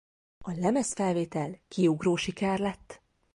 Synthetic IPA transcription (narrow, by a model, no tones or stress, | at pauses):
ɒlɛmɛsfɛlveːt̪ɛlkiuɡroːʃikɛrlɛt̪ː